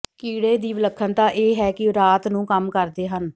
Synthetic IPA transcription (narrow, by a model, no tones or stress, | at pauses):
kiːɽeːd̪iːʋləkʰːənt̪ãːʔeːɦɛːkɪɾaːt̪nũːkəmkəɾd̪eːɦən